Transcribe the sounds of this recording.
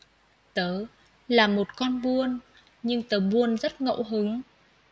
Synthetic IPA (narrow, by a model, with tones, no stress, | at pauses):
t̪əː˨˦ | laː˨˩mo˨˩t̚kɔ˧nɓu˧ən | ɲɨ˧ŋt̪əː˨˦ɓu˧ənzə˦˥t̚ŋə̰˧˨wɦɨ˨˦ŋ